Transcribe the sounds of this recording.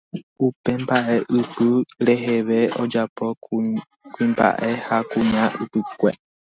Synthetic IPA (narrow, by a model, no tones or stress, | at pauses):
upe̞mbaʔe̞ʔɨpɨɾe̞ɦe̞ʋe̞od͡ʒapo̞ | kuĩmba̰ʔe̞hakũɲãʔɨpɨkʷḛ